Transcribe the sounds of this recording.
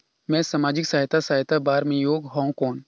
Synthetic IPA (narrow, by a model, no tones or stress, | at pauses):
mɛ̃ːsamaːd͡ʒɪksaɦɪt̪ʰasaːɦt̪abaːɾmẽjoːɡɦɔ̃ːkɔːn